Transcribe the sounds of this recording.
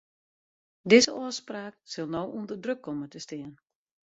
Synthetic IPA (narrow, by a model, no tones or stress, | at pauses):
dɪzəɔəspraːksɪlˠnowʔundərdrøkʰːɔmətəstɪən